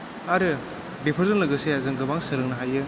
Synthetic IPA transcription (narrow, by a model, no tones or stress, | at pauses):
aɾɯ | bepʰɯɾzɯŋlɯɡɯseazɯŋɡɯbaŋsɯɾɯŋ̚nɐɦajɯ